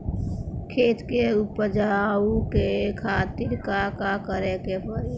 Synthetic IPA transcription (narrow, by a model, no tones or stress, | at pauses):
kʰeːt̪keʊpəd͡ʒaukekʰaːt̪iɾkakakəɾekepəɾi